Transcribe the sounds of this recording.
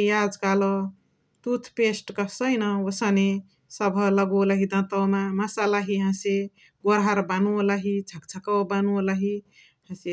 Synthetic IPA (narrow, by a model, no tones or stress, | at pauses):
jad͡zkalo | t̪ut̪ʰpesʈkəsəjnəwəsəne | səbʱələɡuləɦid̪ə̃t̪əmaməsalaɦiɦãse | ɡoɾɦaɾbanuləɦit͡ʃʰək̚t͡ʃʰəkəwbanuləɦi | ɦãse